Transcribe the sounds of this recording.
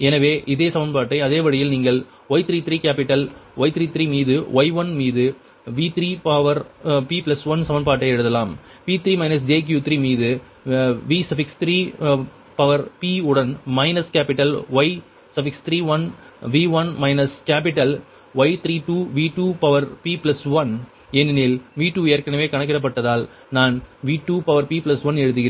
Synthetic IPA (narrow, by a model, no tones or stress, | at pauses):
ɛnɐʋeːʔɪðeːsɐmɐnpaːʈːɐɪɐðeːʋɐɽɪjɪlniːŋɡɐɭ | ɔɪt̪ɪɾiːt̪ɪɾiːkaːpɪʈːɐlʔɔɪt̪ɪɾiːt̪ɾiːmiːðɯʋʔɐɪʋɐnmiːðɯ | ʋiːt̪ɪɾiːpɐʋɐɾpiːplɐsʋɐnsɐmɐnp̬aːʈːɐɪɛɽɯðɐlaːm | piːt̪ɪɾiːmɐɪnɐs̬d͡ʒeːk̬juːt̪ɾiːmiːðɯ | ʋiːsɐfɪkst̪ɾiː | pɐʋɐɾpiːʊɽɐnmɐɪnɐskaːpɪʈːɐlʋɐɪ | sɐfɪkst̪ɪɾiːʋɐn | ʋiːʋɐnmɐɪnɐskaːp̬ɪʈːɐl | ʋɐɪt̪ɪɾiːʈuːʋiːʈuːpɐʋɐɾpiːplɐsʋɐn | ɛnːɪnelʋiːʈːuːejɐɾkɐnɐʋeːkɐɳɐk̬ːɪrɐp̬ːɐʈːɐðaːl | naːnʋiːʈːuːpɐʋɐɾpiːplɐsʋɐnɛɻɯðɯɣɪɾeː